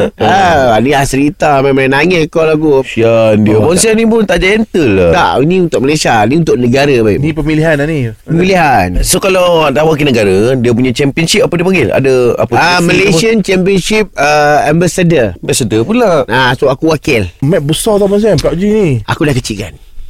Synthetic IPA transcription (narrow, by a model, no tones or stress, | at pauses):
aanilahsəɾit̪amamãnaŋɛkolaɡusiandiabɔnsianip̬ʊnt̪aʔd͡ʒɛnt̪əlːala̰ʔinĩunt̪ʊʔ̚məlesianiunt̪ʊʔnəɡaɾəbaḭʔnipəmiliɦananipəmiliɦansokalawdahwakilnəɡaɾədiəp̬uɲat͡ʃɛmpiənsip̚apədiəpəŋɡɪla̰dəa̰pəaməleiənt͡ʃɛmpiənsip̚əambasədəambasədəpulaʔasoakuwakɪlmɛʔ̪̚bəsɔt̪amans̬ianpaʔd͡ʒinia̰kudahkət͡ʃiʔkan